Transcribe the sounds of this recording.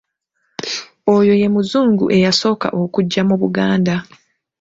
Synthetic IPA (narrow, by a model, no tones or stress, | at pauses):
ojo̞je̞muzuːŋɡuʔe̞jaso̞ːka̰ʔokuɟːamuβuɡaːnda